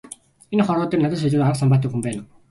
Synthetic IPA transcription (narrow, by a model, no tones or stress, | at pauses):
inχɔɾʊːt̪iːnat̪ə̆ʃ̬at͡ɕuːt̪aɾə̆qsampaːt̪̬ːiːkxumpæːna